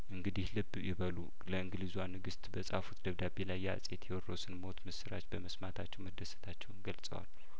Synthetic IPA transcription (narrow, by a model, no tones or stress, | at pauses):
ʔɨŋɡɨd̪ihlɨbːjɪβəlu | ləɨŋɡlizuanɨɡɨst̪bəsʼa̰fut̪d̪əβd̪abelajːa̰sʼet̪ʰjɛwɔrosɨnmo̞t̪mɨsɨɾa̰t͡ʃbəməsmat̪ʰat͡ʃːɛwməd̪ːəsə̥t̪ʰat͡ʃːɛwnɡəlsʼə̰wa̰l